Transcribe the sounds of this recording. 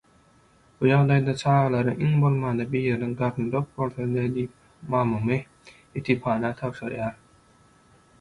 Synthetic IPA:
b̥ujɑʁd̪ɑjd̪ɑt͡ʃʰɑːʁɑlˠɑɾɯʔiŋbo̞lˠmɑːnd̪ɑbijeɾniŋɡɑɾnd̪op̚bolˠθond̪ed̪iːp̚ | mɑːmume | et̪ʰipʰɑːnɑt̪ʰɑwʃɯɾjɑːɾ

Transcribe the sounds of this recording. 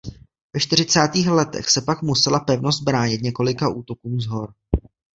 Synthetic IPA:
vɛʃt̪ɪr̝ɪt͡saːt̪iːxlɛt̪ɛ̰xsɛpakmusɛlapɛvnozt̪̚bɾaːɲɪt̪ɲɛko̞lɪkaʔuːt̪o̞kuːmzɦo̞ɾ

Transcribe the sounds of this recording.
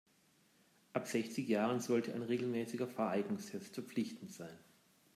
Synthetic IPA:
ʔapz̥ɛçt͡sɪçjaːʁənzɔltʰəʔa̰ɪnʁeːɡl̩mɛːsɪɡɐfɛɐaɪɡnʊŋstɛstfɛɐp͡flɪçtn̩tz̥aɪn

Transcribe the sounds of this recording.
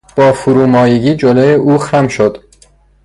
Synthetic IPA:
b̥ɒːfuɾuːmɒːjeɡiːd͡ʒoloeʔuːxæmʃod̪̥

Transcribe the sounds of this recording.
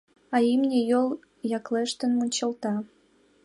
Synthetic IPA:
ɑimnʲĕjol | jɑkleʃt̪ə̆nmunʲt͡ɕɤ̆lt̪ɑ

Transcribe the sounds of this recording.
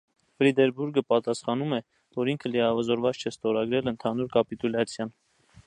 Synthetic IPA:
fɾid̪ɛɾbuɾɡəpɑt̪ɑsχɑnumɛ | vɔɾiŋkʰəliɑvəzɔɾvɑt͡st͡ʃʰɛst̪ɔɾɑɡɾɛlənt̪ʰɑnuɾkɑpit̪ulɑt͡sʰjɑn

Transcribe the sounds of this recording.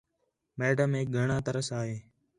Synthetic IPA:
mɛːɖəmeːk̚ɡʱəɳãːt̪əɾəsaːɦeː

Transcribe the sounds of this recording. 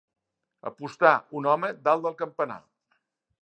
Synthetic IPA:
ə̰pust̪aunɔməd̪alˠd̪əlˠkəmpəna̰

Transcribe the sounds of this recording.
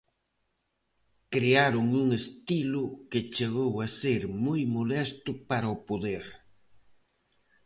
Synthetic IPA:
kɾeaɾʊŋuŋest̪ilʊket͡ʃeɣ̞owaseɾmujmolɛst̪ʊpaɾaopoðeɾ

